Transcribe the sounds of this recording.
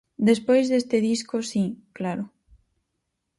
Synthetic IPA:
d̪espojzðest̪eðiskʊsiklaɾʊ

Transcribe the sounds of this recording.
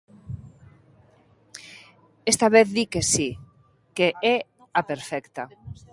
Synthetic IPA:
est̪aβeθðikesi | keʔe | apeɾfɛkt̪a

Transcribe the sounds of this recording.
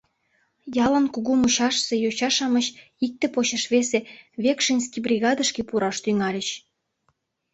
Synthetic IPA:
jɑlənkuɣumuɕɑʃsejot͡ɕɑʃɑməɕ | ik̚t̪ĕpot͡ɕəʃβeseβekʃinʲskibrʲiɣɑd̪əʃkepuɾɑʃt̪yŋɑlʲət͡ɕ

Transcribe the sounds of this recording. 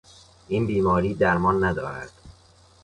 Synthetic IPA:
ʔinbiːmɒːɾiːd̪æɾmɒːnːæd̪ɒ̰ːɾæ̰d̪̥

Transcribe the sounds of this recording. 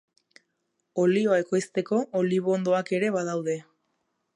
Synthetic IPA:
o̞lioae̞ko̞jst̪e̞ko̞ʔoliβoond̪o̞ake̞ɾe̞βaðawð̞e̞

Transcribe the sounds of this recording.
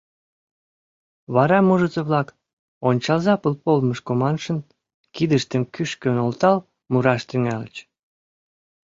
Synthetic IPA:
βɑɾɑmuʒət͡səβlɑk | onʲt͡ɕɑlzɑpəlpolməʃkomɑnʃə̆n | kid̪əʃt̪əmkyʃkønolt̪ɑl | muɾɑʃt̪yŋælə̰t͡ɕ

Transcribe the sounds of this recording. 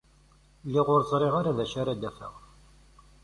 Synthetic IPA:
lːɪʁʊɾzˤɾˤeʁaɾaðæʃaɾad̪æfə̰ʁ

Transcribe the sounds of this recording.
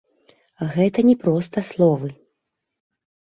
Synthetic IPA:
ɣɛt̪ɐnʲɛpɾɔst̪ɐslˠɔvɨ

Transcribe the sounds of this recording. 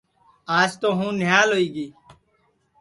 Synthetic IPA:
aːst̪oːɦũːnɪjaːloːiːɡiː

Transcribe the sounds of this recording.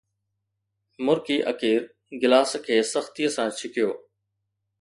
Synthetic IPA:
mʊɾkiːʔəkiːɾ | ɡɪlaːskʰeːsəxt̪ijəsãːt͡ʃʰɪkɪjoː

